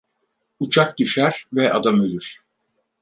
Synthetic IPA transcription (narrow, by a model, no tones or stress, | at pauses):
ut͡ʃʰak̚d̪yʃæɾvɛʔad̪amølʲyɾ̥